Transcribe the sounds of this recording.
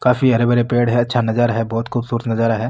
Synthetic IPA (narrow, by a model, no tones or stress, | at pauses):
kaːfiɦɐɾebɐɾepeːɽɦɛɐtːʃʰanɐd͡ʒaːɾaɦɛbɔːt̪kʊbsuːɾət̪nɐd͡ʒaːɾaɦɛː